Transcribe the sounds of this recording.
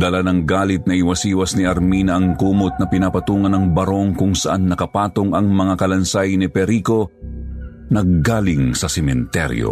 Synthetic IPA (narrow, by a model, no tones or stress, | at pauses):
d̪ɐlanɐŋɡaːlɪt̪̚nɐʔɪwɐsʔiːwɐsnɪɐɾmiːnɐʔɐŋkuːmot̪̚nɐpɪnapɐt̪uːŋɐnɐŋbɐɾo̞ŋkʊŋsɐʔanːɐkɐpaːt̪oŋɐŋmɐŋakɐlɐnsajnɪpɛɾiːko̞ | nɐɡɡaːlɪŋsɐsɛmɛnt̪ɛ̰ɾjo̰